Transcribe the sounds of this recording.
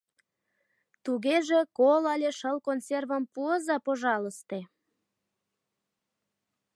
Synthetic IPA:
t̪uɣeʒekolɑlʲeʃəlkonservəmpuəzɑpoʒɑləst̪e

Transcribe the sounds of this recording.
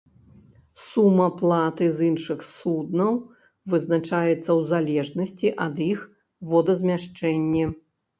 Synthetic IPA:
sumːɐplˠat̪ɨzinʂɨxsud̪nɐw | vɨznat͡ʂajɛt̪sːɐwzalʲɛʐnɐsʲt͡sʲiʔɐd̪ix | vɔd̪ɐzʲmʲaʂt͡ʂɛnʲːɛ

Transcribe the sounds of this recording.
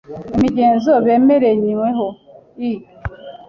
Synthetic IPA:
imiɟeːnzoβe̞ːmeɾeɲiweɦo | i

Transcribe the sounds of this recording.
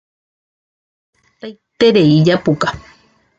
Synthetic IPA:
t̪ajt̪eɾeid͡ʒapuka

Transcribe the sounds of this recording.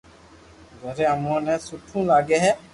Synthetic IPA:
zɛ̃ɾɛamɔnɛ̃suʈʰũlaɡɛɦɛ

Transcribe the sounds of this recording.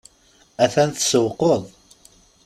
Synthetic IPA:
æθænθəsəwqoðˤ

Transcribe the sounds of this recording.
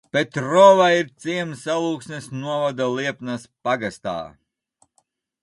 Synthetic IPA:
pet̪ɾɔːvaiɾt̪sʲiɛmsalˠuːksnɛsnuɔvad̪alˠiɛpnaspaɡast̪a̰ː

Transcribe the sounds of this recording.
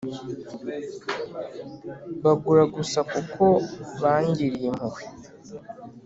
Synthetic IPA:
βaɡuɾaɡusakukʰo̞βaːɲɟiɾim̥uwwi̥

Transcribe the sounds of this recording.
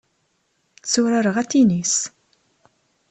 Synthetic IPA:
t͡sːʊɾaɾəʁæt̪ːinis

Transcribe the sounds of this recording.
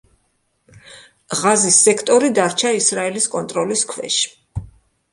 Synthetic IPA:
ʁazisːɛkʰt̪ʼɔɾid̪aɾt͡ʃʰaisɾaɛliskʼɔnt̪ʼɾɔliskʰwɛ̰ʃ

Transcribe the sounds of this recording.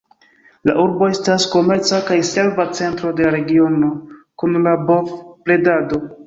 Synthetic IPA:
la̰ʔuɾbo̞e̞stasko̞me̞ɾt͡sakajse̞lvat͡se̞ntɾo̞de̞aɾe̞ɡio̞no̞kunlabofple̞dado̞

